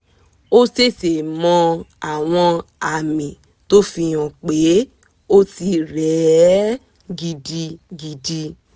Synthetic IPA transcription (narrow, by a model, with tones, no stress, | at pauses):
o˦te˦˨te˨mɔ̃˧a˨w̃ɔ̃˧a˨mĩ˨ | to˦fi˧j̃ɔ̃˨k͡pe˨˦ | o˦ti˧ɾɛ˨˦ | ɡi˧di˧ɡi˧di˧